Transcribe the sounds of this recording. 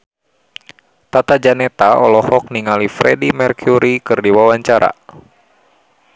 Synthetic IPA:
t̪at̪ad͡ʒanɛt̪aɔ̰lɔhɔk̚niŋalifɾɛdimɛrkʰuɾikɨrdiwawaɲt͡ʃaɾa̰

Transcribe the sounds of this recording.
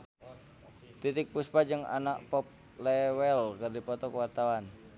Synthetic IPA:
t̪it̪ɪk̚puspad͡ʒəŋa̰naʔpɔp̚ | lɛwɛlkərdipɔt̪ɔkəwart̪awan

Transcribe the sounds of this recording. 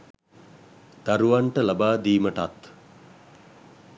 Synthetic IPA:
d̪̥aɾuʋaɳʈəlabaːd̪iːməʈat̪

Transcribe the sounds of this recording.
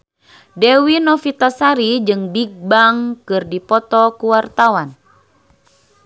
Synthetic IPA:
dɛwinɔfit̪asaɾid͡ʒɨŋbik̚baŋkɨrdipɔt̪ɔkuwart̪awan

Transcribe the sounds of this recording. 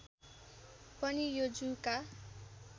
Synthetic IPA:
pʌnijod͡zuka

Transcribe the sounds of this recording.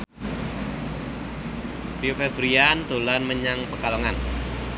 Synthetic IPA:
pɾiofebɾiand̪o̤lanməɲaŋpəkaloŋan

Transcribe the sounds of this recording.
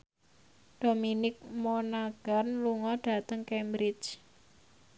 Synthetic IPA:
d̥ominɪk̚monaɡ̥a̤nluŋɔɖ̥a̤t̪əŋkɛmbɾɪt͡ʃ

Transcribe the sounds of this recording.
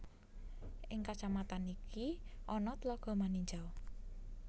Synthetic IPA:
ʔɪŋkat͡ʃamat̪anikʰiʔɔnɔt̪əlɔɡ̥ɔ̤maniɲd͡ʒaw

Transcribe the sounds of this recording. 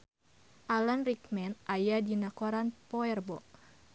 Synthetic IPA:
ʔalanrikmɛnʔajadinakoɾanpɔɛrbɔʔ

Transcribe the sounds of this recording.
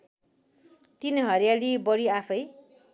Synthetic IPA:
t̪inɦʌɾjalibʌɾiapʰʌj

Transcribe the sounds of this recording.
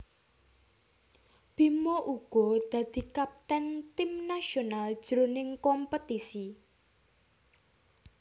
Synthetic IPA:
b̥imɔʔuɡ̥ɔ̤d̪̥ä̤d̪̥i̤kap̚t̪ɛnt̪imnaʃonald̥ʒ̥əɾonɪŋkɔmpət̪isi

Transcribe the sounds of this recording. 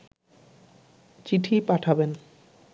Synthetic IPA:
t͡ɕiʈʰipaʈʰaben

